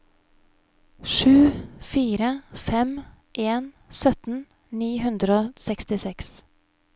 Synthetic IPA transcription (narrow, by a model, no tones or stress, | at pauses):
ʃʉːfiːɾəfɛm | ʔeːn | sœt̪n̩ | niːhʉnd̪ɾəoːsɛkst̪ɪsɛks